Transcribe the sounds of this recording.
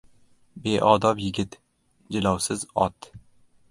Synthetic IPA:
beʔɒd̪ɒpjɪɡʲɪt̪ | d͡ʒɪlɒwsɪzɒt̪

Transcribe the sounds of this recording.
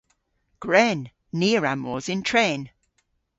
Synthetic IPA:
ɡ̥ɹɛːnː | iːəɹamːɔːzɪ̃ntʰɹeːn

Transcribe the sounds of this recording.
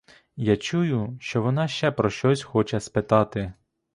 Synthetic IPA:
jat͡ʃujʊʃt͡ʃɔʋɔnɑʃt͡ʃɛpɾɔʃt͡ʃɔsʲxɔt͡ʃɛspɪt̪ɑt̪ɪ

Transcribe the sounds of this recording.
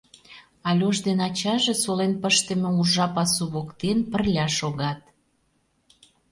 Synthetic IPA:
ɑlʲoʒd̪enɑt͡ɕɑʒesolenpəʃt̪ə̆mĕuʒɑpɑsuβokt̪enpərlʲɑʃoɣɑt̪̚

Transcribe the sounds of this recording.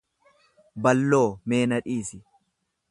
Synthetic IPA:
bɐlːo̞ːme̞ːnɐᶑiːsɪ

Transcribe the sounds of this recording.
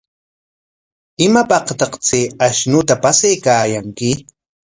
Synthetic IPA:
ɪmapɑqt̪ɑqt͡seaʃnʊt̪apasajkaːjaŋkɪ

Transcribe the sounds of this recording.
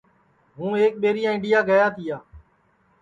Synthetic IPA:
ɦũːeːk̚ɓeːɾɪjãːɪ̃ɳɖɪjaːɡəjaːt̪ʰɪːjaː

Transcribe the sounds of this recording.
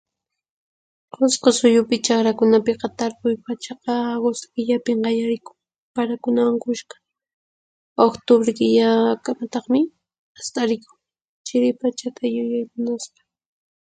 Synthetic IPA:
qosqosʊjʊpɪt͡ʃɑχɾakʊnapɪqɑt̪aɾpʊjpat͡ʃɑqɑɡosɪ̥kɪʎapɪŋɢɑjaɾɪkʊ̥ŋ | paɾakʊnawaŋkʊʃqḁ | okt̪obɾɪkɪʎakamat̪ɑχmɪ | ast̪aɾɪkʊ̥ŋ | t͡ʃɪɾɪpat͡ʃat̪ʰajʊjajmʊnaspḁ

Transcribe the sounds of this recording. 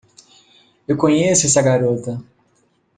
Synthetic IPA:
ewkõɲesʊɛsɐɡaɾot̪ɐ

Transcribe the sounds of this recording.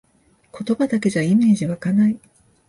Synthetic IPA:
ko̞t̪o̞bad̪ake̞ʑaime̞ːʑiβakanai

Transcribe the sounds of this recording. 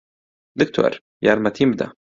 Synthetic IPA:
d̪ʊkt̪ʰo̰ɾ | ja̰ɾmat̪imd̪a̰

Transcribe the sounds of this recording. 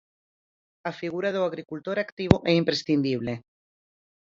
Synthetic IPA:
afiɣuɾaðoaɣɾikult̪oɾakt̪iβoʔɛimpɾesθind̪iβ̞le

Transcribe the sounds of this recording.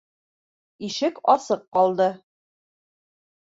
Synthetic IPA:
iʃɘkɒsɤqːɒlˠd̪ɤ

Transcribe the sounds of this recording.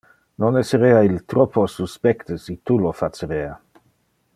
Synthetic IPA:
nonɛsəɾeailt̪ɾoposuspɛkt̪əsit̪ulofat͡səɾeːa

